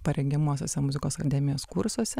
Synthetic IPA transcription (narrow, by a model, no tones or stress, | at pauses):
pɐɾʲɛŋʲɡʲɛmuːsʲo̰ːsʲɛmʊzʲɪkoːsɐkɐd̪ʲæːmʲɪjoːskʊɾsuɔsʲɛ